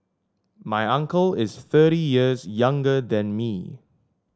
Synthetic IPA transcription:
majãŋkəlɪsθɜɾijiəsjãŋɡəd̪ɛ̃nmi

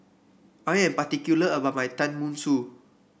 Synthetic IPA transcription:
ajɛ̃mpatikjuləəbamajtãnmũnsu

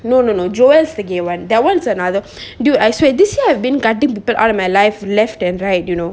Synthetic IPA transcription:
noːnonod͡ʒɔjlsd̪əɡewãnd̪ɛwãnsənad̪ə | djuajswed̪isjiajvbĩnɡadĩŋpiːpəlʔa̰lɔmajlaɪflɛfʈɛ̃nɹaɪt̚junoː

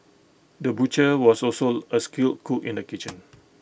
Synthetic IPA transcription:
dəbut͡ʃəwɔsɔlsoəskilt̚kʰukĩndəkit͡ʃə̃n

